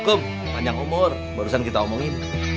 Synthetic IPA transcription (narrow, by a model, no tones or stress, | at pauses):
kʊm | maɲaŋumʊr | baɾusankit̪aomɔŋɪn